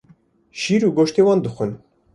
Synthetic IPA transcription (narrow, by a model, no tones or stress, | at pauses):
ʃiːɾuːɡoʃt̪ewɑːnd̪ɨxʷə̆n